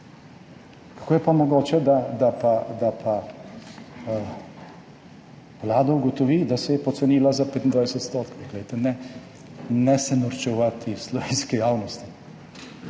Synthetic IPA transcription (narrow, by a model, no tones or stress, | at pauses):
kḁkoːjɛpamɔɡoːt͡ʃɛd̪ad̪apad̪apʰa | ʋlaːd̪auɡɔt̪ɔʋid̪asɛjɛpɔt̪sɛniːlazapet̪ind̪ʋajsɛt̪st̪oːt̪kɡlɛjt̪ɛnɛ | nɛsɛnɔɾt͡ʃɛʋat̪islɔʋeːnskijaːwnɔst̪i̥